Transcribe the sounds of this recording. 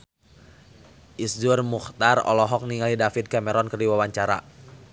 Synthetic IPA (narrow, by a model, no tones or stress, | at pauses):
ʔisdurmuxt̪arɔ̰lɔɦɔk̚niŋalidafit̪̚kamɛɾɔnkərdiwawaɲt͡ʃaɾa̰